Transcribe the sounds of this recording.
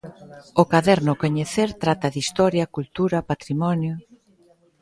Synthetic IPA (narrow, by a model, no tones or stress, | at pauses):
okaðɛɾnʊkoɲeθeɾt̪ɾat̪ɐðist̪ɔɾjɐkult̪uɾɐpat̪ɾimɔnjʊ